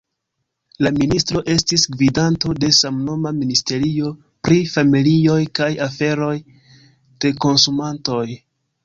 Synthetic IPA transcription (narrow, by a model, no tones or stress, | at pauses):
laministɾo̞ʔe̞stisɡvidanto̞de̞samno̞maministe̞ɾio̞ | pɾifamilio̞jkajafe̞ɾo̞j | d̥e̞ko̞nsumanto̞j